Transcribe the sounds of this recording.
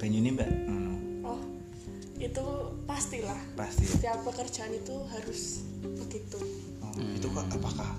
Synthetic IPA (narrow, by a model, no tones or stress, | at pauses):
b̥ɛɲunimbɛ | ʔɔh | it̪upast̪ilahpast̪iiapəkərd̥d͡ʒ̥aanit̪uɦaɾʊs | b̥əɡ̥it̪u | ɔit̪ukaapakah